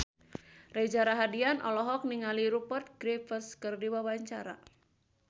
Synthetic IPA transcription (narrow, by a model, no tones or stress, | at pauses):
rɛd͡ʒaɾaɦadianʔɔ̰lɔɦɔk̚niŋaliɾupɔrt̪̚ɡɾefəskɨrdiwawaɲt͡ʃaɾa̰